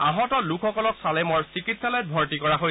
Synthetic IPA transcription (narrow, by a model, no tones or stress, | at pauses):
aɦɔtɔlukʰxɔkɔlɔksalemɔɹsikitʰsalajt̚bʱɔɹtikɔɹaɦo